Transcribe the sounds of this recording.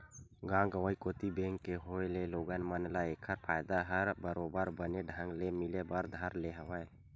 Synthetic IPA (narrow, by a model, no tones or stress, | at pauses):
ɡãːɡəʋəikoːt̪ibẽːŋkːeɦoeleloːɡənmənlaeːkʰəɾpʰaːjd̪aɦəɾbəɾobəɾbəneɖʱə̃ŋɡlemɪlebəɾd̪ʱəɾleɦəʋəe